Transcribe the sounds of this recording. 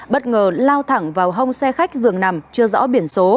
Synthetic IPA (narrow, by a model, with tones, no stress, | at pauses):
ɓə˦˥t̚ŋəː˨˩laː˧wt̪ʰa˧˩ŋvaː˨˩wɦə˧wŋ͡msɛ˧xa˦˥jk̟̚zɨ˨˩əŋna˨˩mt͡ɕɨ˧əzɔ̰ː˧˥ɓi˧˩ənso˨˦